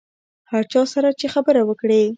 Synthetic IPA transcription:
haɾt͡ʃɑsaɾat͡ʃexabəɾawəkɽe

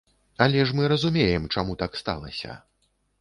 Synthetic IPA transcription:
ɐlʲɛʂmɨɾɐzumʲejɛmt͡ʂamut̪akst̪a̰lˠɐ̰sʲɐ̰

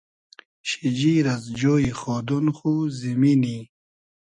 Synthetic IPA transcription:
ɕid͡ʑiːɾɐzd͡ʑoːiχɔːd̪unχuzimini

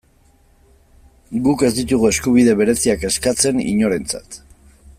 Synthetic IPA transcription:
ɡuke̞zd̪it̪uɣue̞skuβ̞iðe̞βe̞ɾe̞siake̞skat͡se̞nḭɲo̞ɾe̞nt͡sa̰t̪

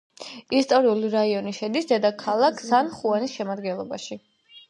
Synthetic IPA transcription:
ist̪ʼɔɾiuliɾaiɔniʃɛd̪isd̪ɛd̪akʰalˠakʰzanχuanisʃɛmad̪ɡɛnlˠɔba̰ʃi

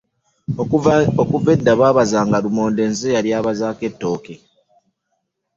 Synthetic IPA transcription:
okuve̞dːaβaːβazaːŋɡaɾumo̞ːnde̞ːnzejaɾjaːβazaːke̞tːo̞ːke̞

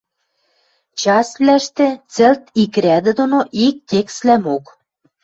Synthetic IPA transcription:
t͡ɕɑsβlæʃt̪ĕt͡sĕlt̪ikɾʲæd̪ɘ̆d̪onoʔik̚t̪ʲekslæmok

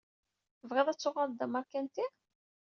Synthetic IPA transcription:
vʁeðˤæt͡sːʊʁald̪æmɑɾkænt̪i

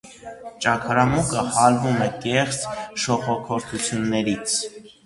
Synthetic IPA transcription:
t͡ʃɑkʰɑɾɑmukəhɑɾvumɛkɛχt͡sʃɔχɔkʰɔɾt̪ʰut͡sʰjunːɛɾit͡sʰ

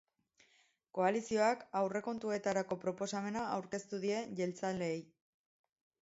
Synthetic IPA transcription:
ko̞alisio̞akawre̞ko̞nt̪ue̞t̪aɾako̞pɾo̞po̞same̞naawɾke̞st̪uðie̞ʝe̞lt͡sale̞ːj

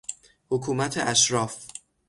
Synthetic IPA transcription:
hokʰuːmæt̪ʰeʔæʃɾɒːf

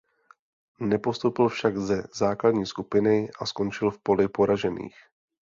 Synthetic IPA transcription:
nɛpo̞st̪opɪlfʃaɡzɛzaːkladɲiːskupɪnɪʔasko̞nt͡ʃɪlfpo̞lɪpo̞ɾaʒɛnḭːx

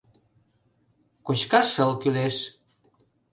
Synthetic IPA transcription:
kot͡ɕkɑʃəlkyleʃ

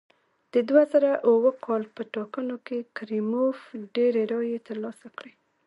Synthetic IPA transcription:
d̪̥əd̪wazaɾaʔuwəkʰɑlpəʈɑkənokekɾimofɖeɾeɾɑjet̪əɾlɑsakɽe

